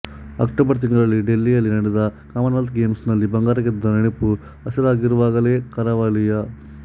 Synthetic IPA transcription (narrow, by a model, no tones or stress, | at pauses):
ɐ̰kʈoːbɐɾt̪̬iŋɡɐɭɐɭːiɖelːijɐlːinɐɽɛd̪ɐkaːmɐnʋɐlt̪ɡeːmsnɐlːibɐŋɡaːɾɐɡed̪ːɐnɐɽepu | ɐsɐɾaːɡiɾuʋaːɡɐleːkɐɾɐʋɐɭijɐ